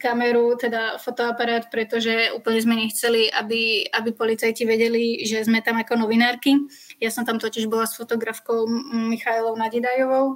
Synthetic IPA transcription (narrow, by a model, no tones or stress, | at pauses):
kamɛɾut̪ɛd̪afɔt̪ɔapaɾaːt̪pɾɛt̪ɔʒɛuːpl̩ɲɛzmɛɲɛxt͡sɛliʔabiabipɔlit͡sajciʋɛɟɛliʒɛzmɛt̪amakɔnɔʋinaːɾki | jasɔmt̪amt̪ɔciʒbɔlasfɔt̪ɔɡɾafkɔʊmixaɛlɔʊnaɟid̪ajɔʋɔʊ